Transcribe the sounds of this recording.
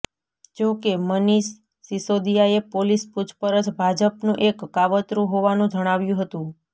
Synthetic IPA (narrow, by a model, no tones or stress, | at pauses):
d͡ʒokeməniʃː | isod̪ijaepolisput͡ʃʰpəɾət͡ʃbʱad͡ʒəpnũʔekːaʋət̪ɾũɦoʋanũd͡ʒəɽ̃aʋjũɦət̪ũ